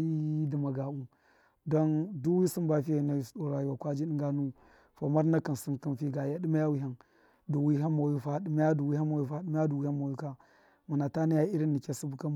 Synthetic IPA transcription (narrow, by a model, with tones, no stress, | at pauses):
i˦di˨ma˨ɡa˨u˦ | do˦ndu˦wi˦si˦nba˨fi˦a˨na˨i˨sɗo˨ɾa˨ji˨wa˨kʷa˦d͡ʒi˦ɗi˦ŋɡa˦nu˦ | fa˨ma˦ɾna˦ka˨n˨si˦nki˦nfi˦ɡa˨ja˦di˦ma˦ja˦wi˦ɦa˦n | du˨wi˦ɦa˦mːa˨ji˦fa˦di˦ma˦ja˦du˨wi˦ɦa˦ma˨i˦fa˦ɗi˦ma˦ja˦du˨wi˦ha˦mma˨u˦ka˦ | ma˨na˨ta˦ni˦ja˦i˦ɾi˦nːi˨kʲe˦si˦bu˦ka˦